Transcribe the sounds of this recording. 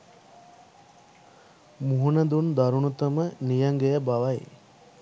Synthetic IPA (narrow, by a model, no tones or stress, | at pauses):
muɦunəd̪und̪aɾunut̪əmənijɐŋɡejəbaʋɐj